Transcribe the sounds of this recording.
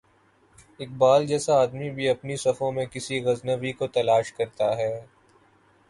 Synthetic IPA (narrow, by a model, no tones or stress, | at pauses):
ɪk̚baːld͡ʒɛːsaaːd̪mibʱiɐpnisɐfõmẽkɪsiɣɐznəʋikot̪ɐlaːʃkɐɾt̪aɦɛː